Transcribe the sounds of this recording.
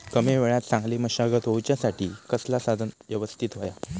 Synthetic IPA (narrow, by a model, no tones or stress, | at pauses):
kəmeʋeɭat̪sãŋɡliːməɕaɡət̪ɦowt͡ɕjasaʈʰiːkəslasad̪ʱənʋjəʋəst̪ʰit̪ɦoja